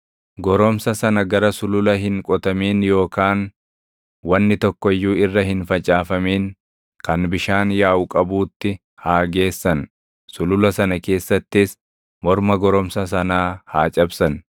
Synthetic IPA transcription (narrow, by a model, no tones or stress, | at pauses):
ɡɔɾɔmsɐsɐnɐɡɐɾɐsʊlʊlɐɦɪŋkʼɔt̪ɐmiːnjo̞ːkaːn | wɐnːɪt̪ɔkːɔjːuːɪrːɐhɪnfɐt͡ʃʼaːfɐmeːŋ | kɐnbɪʃaːnjaːʔʊkʼɐbuːt̪ːɪ | haːɡe̞ːsːɐn | sʊlʊlɐsɐnɐke̞ːsːɐt̪ːɪs | mɔɾmɐɡɔɾɔmsɐs̬ɐnaːhaːt͡ʃʼɐbsɐn